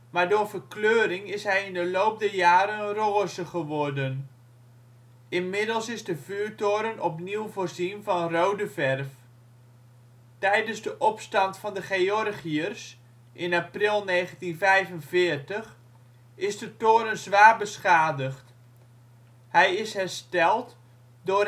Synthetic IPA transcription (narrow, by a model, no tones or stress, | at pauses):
maːɹdoːɹvərkløːɾɪŋɪsɦɛjɪndəlowp̚dɛjaːɾənroːzəχəʋɔrdən | ɪnmɪdəlˠsɪzdəvyːtoːɾənɔpniwvoːrzinvɑnrowdəvɛrf | tɛjdənzdəʔɔpstɑntfɑndəχeɔrχiərs | ʔɪnaprɪlˠnejχəntinvɛjvənvɪːəɹtəχ | ɪzdətoːɾənzʋaːrbəsχaːdəχt | hɛjɪsɦɛrstɛlˠt | dʊː